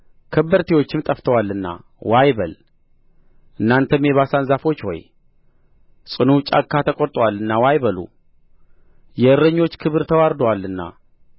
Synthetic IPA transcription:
kʰəbːəɾt̪ʰiwo̞t͡ʃːɪmt̪ʼəft̪ʰəwalːɨnːa̰ | wajbəl | ʔɨnːant̪ʰəmeβasanzafo̞t͡ʃːho̰j | sʼɨnut͡ʃʼa̰kːat̪ʰəkʼoɾt̪ʼwalːɨnːawajbəlṵ | jɛɨɾːəɲːo̞t͡ʃːkʰɨβɨɾt̪ʰəwaɾd̪walːɨnːa̰

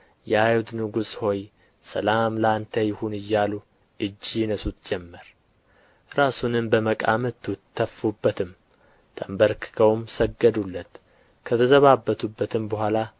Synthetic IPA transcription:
jɛajut̪nɨɡusho̞j | səlamlant̪ʰəjɪhunɨjːalu | ʔɨd͡ʒːijɪnəsut̪d͡ʒɛmːəɾ | ɾasunɨmbəməkʼa̰mət̪ʰːɨt̪ʰːəfːubːət̪ʰɨm | t̪ʰʼəmbəɾkʰɨ̥kʰəwmsəɡːəd̪ulːət̪ | kʰət̪ʰəzəβabːət̪ʰubːət̪ʰɨmbəhʷala

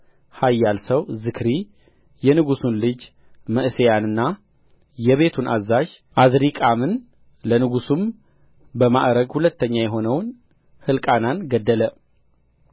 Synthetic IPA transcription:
hajːalsəwzɨkɾi | jɛnɨɡusunlɨd͡ʒ | məʔsejanɨnːa | jɛβe̞t̪ʰunʔazːaʒ | ʔazɾikʼamɨn | lənɨɡusum | bəma̰ʔɾəɡhulət̪ːəɲːajɛɦo̞nəwn | hɨlkʼananɡəd̪ːələ

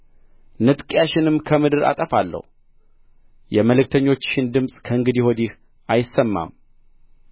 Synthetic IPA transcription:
nɨt̪ʼkʼjaʃɪnɨmkʰəmɨd̪ɨɾa̰t̪ʼəfalːə̰hu | jɛməlɨk̚t̪ʰəɲːo̞t͡ʃːɪnd̪ɨmsʼkʰəɨŋɡɨd̪ihod̪ih | ʔajɪsːəmːa̰m

